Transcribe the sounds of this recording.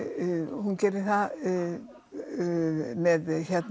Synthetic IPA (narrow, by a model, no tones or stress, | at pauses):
hunkɛɾɪθa | mɛðçɛt̪n